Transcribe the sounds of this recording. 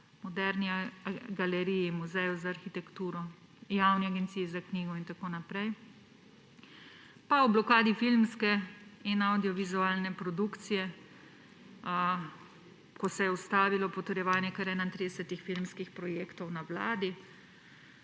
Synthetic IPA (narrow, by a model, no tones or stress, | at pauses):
mɔd̪ɛɾniɡalɛɾiːjimuzɛjɔzaːɾxit̪ɛkt̪uːɾɔ | jawniaɡɛnt̪siːizakniːɡɔint̪akoːnapɾɛj | pawblɔkaːd̪ifilmskɛinawd̪ijɔʋizuaːlnɛpɾɔd̪ukt̪sijɛ | kɔsɛjɛust̪aːʋilɔpɔt̪ɛɾjɛʋaːnjɛkəɾɛːnaint̪ɾid̪ɛsɛt̪ixfilmskixpɾɔjeːkt̪ɔwnawla̰ːd̪i